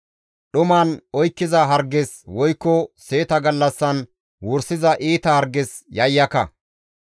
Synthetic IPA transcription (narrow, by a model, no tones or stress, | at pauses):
ɗʊmaːnɔjkːɪzɐɦɐɾɡɛs | wɔjkːɔse̞ːt̪ɐɡɐlːɐsːɐn | wɔɾsɪzɐʔiːt̪ɐhɐɾɡɛs | jɐjːɐkɐ̰